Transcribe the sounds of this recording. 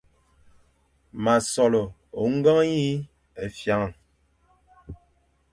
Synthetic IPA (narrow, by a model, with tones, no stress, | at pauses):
ma˨sɔ˨lɔ˨o˨ŋ̩˦ɡa˦ŋ˦i˦ | e˨fja˨˦ŋa˦˨